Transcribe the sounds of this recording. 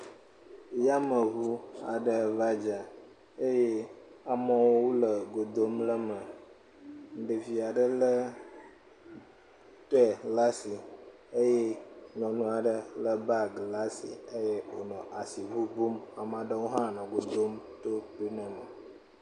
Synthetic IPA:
ja˦mə˨ɦu˦a̰˨ɖə˨va˦d͡ʒa˨ | e˦je˦a˨mɔ̃˦wo˦wo˦lə˨ɡo˨d̪o˦mlə˦mə˨ | ɖə˨vi˨a˨ɖə˦lə˦ | t̪o˦ɛ˨la˦si˨ | ə˦je˦ŋɔ̃˨nũ˦a˨ɖə˨lə˦ba˦ɡla˦sḭ˨ə˦je˦wo˨nɔ̃˨ʔa˨si˨vu˦bu˦ma˨m˦ã˨ɖə˦wo˦ɦã˦˨nɔ̃˨ɡo˨d̪o˦m | t̪o˦pi˦nə̃˨mə˨

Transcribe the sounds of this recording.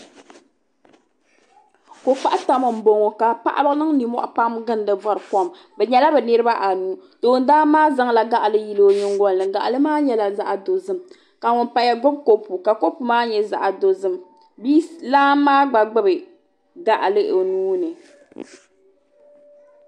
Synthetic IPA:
ko˨k͡pa˦ʔta˨mɨ˨m̩˨˦bo˨ŋo˨ka˨pa˦ʔa̰˦bɨ˦nɨ˦ŋni˨mɔ̰˦ʔpa˦mɡɨ˦n˦dɨ˨vɔ˨ɾɨ˨kɔ˦m | bɛ˨ɲɛ˦la˦bɛ˨nɨ˦ɾɨ˦ba˦ʔa˨nuː˦to˨˦˨n˦daː˦maː˦za˦ŋ˦la˨ɡa˦ʔlɨ˦ji˨lo˨ɲɨ˦ŋɡɔ˦nlɨ˨ŋɡa˨ʔlɨ˦maː˦ɲɛ˦la˨za˦ʔa˨do˨zɨ˦m | ka˨ŋʊ˨npa˦ja˦ɡo˦b̚ko˦pu˨ka˨ko˦pu˨maː˦ɲɛ˨za̰˨ʔa˨do˨zɨ˦m | biː˦laː˦maː˦ɡ͡ba˨ɡ͡bɨ˦bɨ˨ | ɡa˨ʔlɨ˦ʔo˨nuː˦nɨ˨

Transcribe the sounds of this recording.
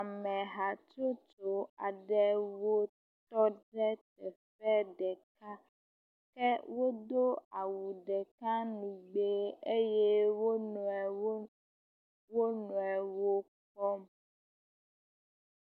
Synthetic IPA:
a˨mɛ̃˨ɦa˨t͡ʃɾo˦t͡ʃo˨a˨ɖɛ˦wo˦ | t̪ɔ˦ɖɛ˦t̪ɛ˨fɛ˦ɖɛ˨ka˦ | kɛ˦wo˦d̪o˦a˨wu˨ɖɛ˨ka˦nũ˨ɡ͡be˦e˦je˦wo˦nũ˨ɛ˨˦ | wo˦nũ˨ɛ˨wo˦ | k͡pɔ˦m

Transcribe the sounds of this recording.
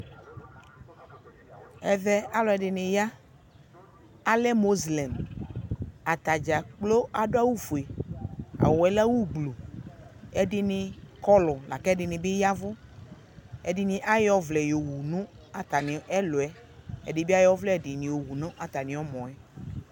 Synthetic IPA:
ɛ˨ðɛ˦a˦lɔ˨ɛ˨ɖɪ˨nɪ̃˨ja˦ | a˦lɛ˦mo˦zlɛ˨m | a˨t̪a˨d͡ʒa˨k͡plo˦a˨ɖo˦a˦wu˦fo˨e˨ | a̰˨wɔ˨ɛ˦la˦wu˦ɡ͡blu˨ | ɛ˦ɖɪ˦nɪ̃˨kɔ˦lɔ˨la̰˨kɛ˦ɖɪ˨nɪ̃˨be˦ja˦vʊ˦ | ɛ̰˦dɪ˦nɪ̃˨ʔa˦jɔ˦vlɛ˨jo˨wu˨nũ˦ | a˨t̪a˨nɪ̃˨ɛ˦lo˨ɛ˦ | ɛ̰˨dɪ˨bi˦a˦jɔ˦vlɛ˦˨dɪ˨nĩ˨jo˨wu˨nõ˦ʔa˨t̪a˨nĩ˨ɔ˦mɔ̃˨ɛ˦

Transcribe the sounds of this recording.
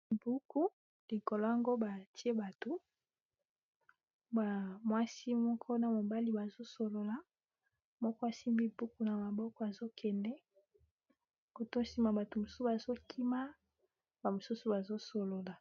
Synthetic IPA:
bu˦ku˦ | li˨ko˨lo˦a˦ŋɡo˦ba˨ti˦e˦ba˨to˨ | ba˨mwa˦si˦mɔ˦kʰɔ˦na˨mo˨ba˦li˦ba˨zo˦so˨lo˨la˨ | mɔ˦kɔ˦a˨si˦mbi˦bu˦ku˦na˨ma˨bɔ˦kɔ˦a˨zo˦kʰɛ˨ndɛ˦ | ko˨to˦si˦ma˨ba˨to˨mo˨su˦ba˨zo˦kʰi˦ma˦ | ba˨mo˨su˦su˨ba˨zo˦so˨lo˨la˨

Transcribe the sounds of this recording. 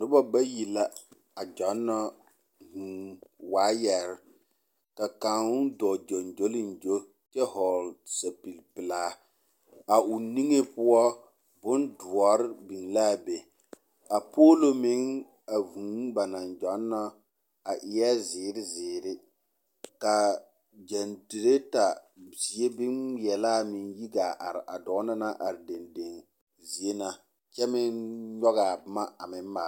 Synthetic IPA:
dʊ˦bɔ˦ba˦ji˨la˨ | a˨d͡ʒɔ˨˦nːɔ˦ | hu˨waː˨˦jɛ˨ɾɪ˦ | ka˨kã˨ʊ˦dɔ˨d͡ʒo˨nd͡ʒo˦lɪ˦n˨d͡ʒo˦ | t͡ʃɛ˦hɔ˨lsa˨pi˨lpɪ˨laː˦ | a˨ʊ˨ni˦ŋe˦pʊ˦ɔ˦ | bʊ˦ndʊ˨ɔ˨ɾɪ˦bi˨ŋla˦˨be˨ | a˨po˦lo˦mɪ˦ŋ | a˨vu˨˦ba˨na˨nd͡ʒɔ˨˦nː˦a˦ | a˨ʔɪ˨jɛ˦zɪː˨ɾɪ˦zɪː˨ɾɪ˦ | ka˨ | d͡ʒɛ˨nde˨ɾe˦ta˨bi˨e˦bɪ˦ŋjɛ˨la˦˨mɪ˨nji˦ɡa˨ʔa̰˨ɾɪ˨ʔa˨dɔ˨˦na˦na˦ʔa˨ɾɪ˨de˨nde˨n | zi˨˦e˦na˦ | t͡ʃɛ˦mɪ˦nɲɔ˦ɣa˨bma˦a˨mɪ˨m˦ma˨˦

